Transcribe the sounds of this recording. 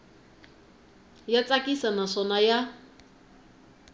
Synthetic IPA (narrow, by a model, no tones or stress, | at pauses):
jat͡sʼakisanasɔnaja